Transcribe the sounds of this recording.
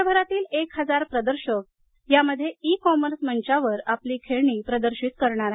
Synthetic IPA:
bʱəɾat̪iːlekɦəd͡zaɾpɾəd̪əɾɕək̚ | jaməd̪ʱːjeikɔməɾsməɲt͡ɕaʋəɾapliːkʰeɭɳ̃iːpɾəd̪əɾɕit̪kəɾɳaɾaɦe

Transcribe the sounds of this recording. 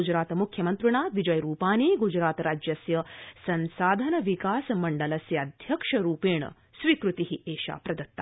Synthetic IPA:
ud͡ʒɾaːt̪ɐmukʰjɐmɐnt̪ɾuɳ̃aːʋid͡ʒɐjɾuːpaːniːɡud͡ʒɾaːt̪ɾaːd͡ʒjɐsjɐsɐnsaːd̪ʱɐnɐʋikaːsɐmɐɳɖɐlɐsjɐɐd̪ʱjɐkʂɐɾuːpeːɳ̃ɐ̰ | sʋiːkɾut̪iɦieːʃa̰ːpɾɐd̪ɐt̪ːa̰

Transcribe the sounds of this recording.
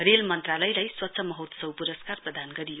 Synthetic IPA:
relmʌnt̪ralʌjlajswʌt̪ːsʰʌmʌɦut̪sʌwpuɾʌskarprʌd̪ʱanɡʌɾijo

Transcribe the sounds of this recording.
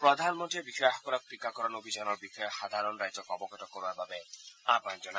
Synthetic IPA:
pɾɔd̪ʱanmɔnt̪iebiʃɔaxɔ̥kɔɾak̚t̪ɾikakɔɾɔnobʱid͡ʒɔnɔɾbixɔjɔxad̪ʱaɾɔnɾajd͡ʒɔkɔbɔɡɔtɔkoɾbaɾbabeapand͡ʒɔna

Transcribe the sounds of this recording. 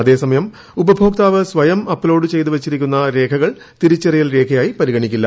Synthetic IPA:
ɐðe̞ːsɐmɐjɐm | ubɐbʱo̞ːk̚t̪aːʋɨsʋɐjɐmɐpːloːɖɨt͡ɕe̞jt̪uʋet͡ɕːiɾikʲːunːɐɾe̞ːkʰɐɣɐɭ | t̪iɾut͡ɕːerijɐlɾe̞ːkʰɐjaːjipɐɾiɣɐɳikʲːilːɐ

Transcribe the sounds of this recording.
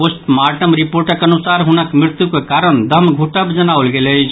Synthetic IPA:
posʈmaɾʈəmɾipoɾʈəkənusaɾɦunəkmɾɪt̪jukekaɾənd̪ʱəmɡʱuʈəbd͡ʒənawlɡelət͡ʃʰ

